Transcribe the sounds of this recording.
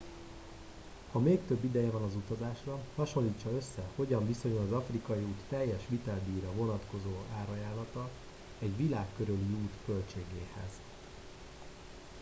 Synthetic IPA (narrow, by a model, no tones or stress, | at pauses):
hɒmeːkt̪ø̞bːid̪ɛjɛvɒnɒzut̪ɒzaːʃrɒhɒʃo̞nlːiːt͡ʃːɒø̞sːɛho̞ɟɒɱviso̞ɲulɒzɒfrikɒjiuːt̪tɛjːɛʃʋit̪ɛld̪iːɾɒvo̞nɒt̪ko̞zoːaːɾɒjaːlːɒt̪ɒ | ɛɟʋilaːkːøɾøliuːt̪kø̞lt͡ʃeːɡeːhɛ̰z